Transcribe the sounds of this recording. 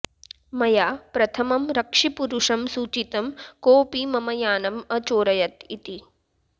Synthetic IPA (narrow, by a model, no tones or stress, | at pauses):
mɐjaːpɾɐt̪ʰɐmɐmɾɐkʂipuɾuʂɐmsuːt͡ʃit̪ɐmkoːpimɐmɐjaːnɐmɐt͡ʃoːɾɐjɐt̪it̪i